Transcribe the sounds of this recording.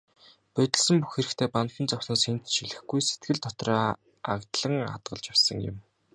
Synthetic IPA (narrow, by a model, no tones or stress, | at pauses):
pœt̪ʲɪ̆ɮsə̆mpuxxeɾɘ̆kt̪ʰeːpanxʲɪ̆nt͡sawsnɔːsxent̪ʃiɮɘ̆xɡujse̥t̪̚ɡɘ̆ɮt̪ʰɔt̪rœː | a̰kt̪ɮə̆ŋa̰t̪ɢə̆ɮt͡ɕawsə̆ŋjʊ̰̆m